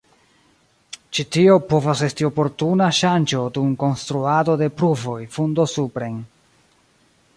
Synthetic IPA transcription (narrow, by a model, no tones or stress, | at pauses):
t͡ʃitio̞po̞vase̞stio̞po̞ɾtunaʃand͡ʒo̞dumko̞nstɾuado̞de̞pɾuvo̞jfundosupɾe̞n